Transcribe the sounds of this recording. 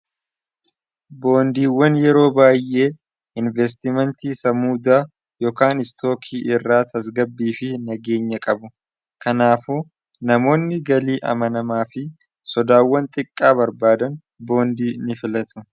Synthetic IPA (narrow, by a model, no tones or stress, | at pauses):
bo̞ːnd̪iːwːɐnjɛɾo̞ːbaːjʔe̞ː | ʔɪnvɛs̬t̪ɪmɛnt̪iːsɐmuːd̪aː | jo̞ːkaːnɪst̪ʰo̞ːkʰiːʔɪrːaːt̪ɐs̬ɡɐbːiːfɪnɐɡe̞ːɲːɐkʼɐbʊ | kɐnaːfuː | nɐmo̞ːnːɪɡɐliːʔɐ̰mɐnɐmaːfɪ | sɔd̪aːwːɐnt̪ʼɪkʼːaːbɐɾbaːd̪ɐn | bo̞ːnd̪iːnɪfɪlɐt̪ʰʊ̥